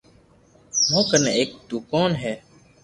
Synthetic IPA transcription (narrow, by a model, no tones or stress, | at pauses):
mõːkəneːeːk̚d̪uːkaːnɦɛː